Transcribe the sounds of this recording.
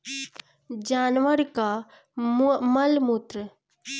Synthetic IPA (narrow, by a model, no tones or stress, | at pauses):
d͡ʒaːnʋəɾka | mɐlmut̪ɾə